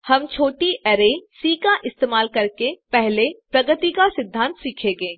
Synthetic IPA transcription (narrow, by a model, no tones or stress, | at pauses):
hɐmt͡ʃʰoːʈiʔɛɾesiːkaʔɪst̪eːmaːlkɐɾkepɛɦlepɾɐɡət̪ikasɪd̪ʱːãːnt̪siːkʰeːɡeː